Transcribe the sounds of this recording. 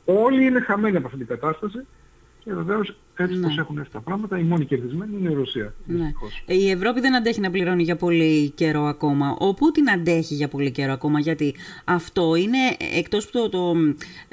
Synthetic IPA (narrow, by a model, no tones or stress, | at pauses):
o̞liine̞xɐme̞niɐpoɐft̪it̪iɡɐt̪ɐst̪ɐsi | ceve̞ve̞o̞s | et̪t͡sipɾose̞xuneft̪it̪ɐpɾɐɣmɐt̪ɐimo̞nice̞ɾðizme̞niineiɾosiɐðinei̥xosievɾo̞piðe̞nɐnd̪eçinɐpliɾo̞niʝɐpo̞lice̞ɾo̞ɐko̞mɐʔoput̪inɐnd̪e̞çiʝɐpo̞lice̞ɾo̞ɐko̞mɐʝɐt̪iɐft̪o̞ine̞ekt̪o̞spu̥t̪ot̪o